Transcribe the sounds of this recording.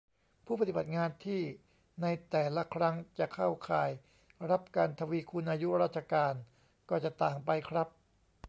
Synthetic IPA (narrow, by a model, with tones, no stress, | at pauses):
pʰuː˥˩pa˧t̪i˨˩ba˨˩t̪̚ŋaː˧nt̪ʰiː˥˩ | na˧jt̪ɛː˨˩la˦˥kʰɾa˦˥ŋt͡ɕa˨˩kʰa˥˩wkʰaː˨˩j | ɾa˦˥p̚kaː˧nt̪ʰa˧wi˦˧˥kʰu˧nʔaː˧ju˦˥ɾaː˥˩t̪̚t͡ɕa˧kaː˧n | kɔː˥˩t͡ɕa˨˩t̪aː˨˩ŋpa˧jkʰɾa˦˥p̚